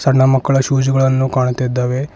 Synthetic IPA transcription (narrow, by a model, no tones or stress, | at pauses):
sɐnɐmɐkːɐɭɐʃuːd͡ʒuɡɐɭɐnːukaːɳut̪id̪ːaːʋe